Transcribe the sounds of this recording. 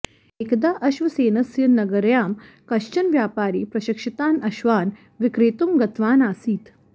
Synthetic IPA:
ekd̪aːʔɐʃʋɐseːnɐsjɐnɐɡɐɾjaːm | kɐʃt͡ʃɐnʋjaːpaːɾiːpɾɐʃɐkʂɐt̪aːnɐʃʋaːn | ʋikɾeːt̪umɡɐt̪ʋaːnaːsiːt̪

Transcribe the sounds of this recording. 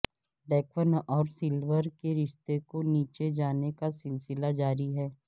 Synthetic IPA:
ɖɛːkʋənɔːɾsɪlʋəɾkeɾɪʃt̪ekoniːt͡ʃed͡ʒaːnekasɪlsɪlad͡ʒaːɾiɦɛː

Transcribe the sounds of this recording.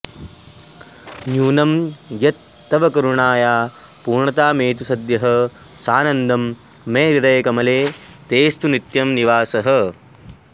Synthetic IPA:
njuːnɐmjɐt̪ːɐʋɐkɐɾuɳaːjaː | puːɾɳɐt̪aːmeːt̪̬usɐd̪jɐɦɐ̆ | saːnɐnd̪ʱɐmː | eːɾid̪ɐjɐkɐmɐleː | t̪eːst̪unit̪jɐmniʋaːsɐɦɐ̆

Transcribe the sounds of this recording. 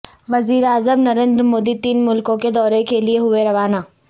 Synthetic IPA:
ʋɐziːɾeaːzəmnɐɾẽːnd̪ɾmoːd̪it̪iːnmʊlkõked̪ɔːɾekelieɦʊeɾɐʋaːnaː

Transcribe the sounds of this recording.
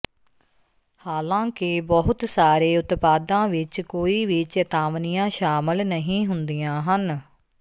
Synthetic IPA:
haːlãːkɪbɔɦʊt̪saːɾeːʊt̪paːd̪ãːʋɪt͡ʃkoːiːʋɪt͡ʃət̪aːʋnijãːʃaːmɪlnəɦĩːɦʊnd̪ijãːɦən

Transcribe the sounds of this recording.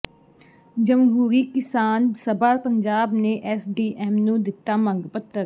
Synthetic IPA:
d͡ʒəmɦuːɾiːkɪsaːnsəbaːɾpəɲd͡ʒaːbneːʔɛːsɖiːʔɛːmnũːd̪ɪt̪ːaːmə̃ŋɡpət̪ːəɾ

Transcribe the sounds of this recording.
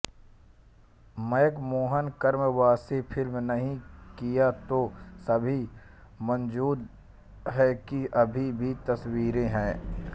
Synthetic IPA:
məjkmoːɦənkəɾmwaːsepʰɪlmnɐɦĩkijat̪osɐbʱi | mə̃nd͡ʒuːd̪ | ɦɛkiʔɐbʱibʱit̪ɐswiːɾẽɦɛ̃ː

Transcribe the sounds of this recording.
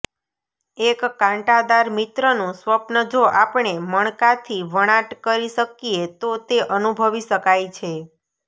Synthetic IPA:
ekːãɳʈad̪aɾmit̪ɾənũsʋəpnəd͡ʒʱoʔapɳeməɳ̃kat̪ʰiʋəɽ̃ãʈkəɾiʃəkiet̪ot̪eʔənubʱəʋiʃəkajt͡ʃʰe

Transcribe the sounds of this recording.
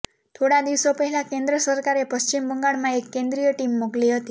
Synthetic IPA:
t̪ʰoɽad̪iʋsopəɦɛlãkẽnd̪ɾəsəɾkaɾepəst͡ʃimbəŋɡaɭmãekːẽnd̪ɾijəʈimːoɡliɦət̪i

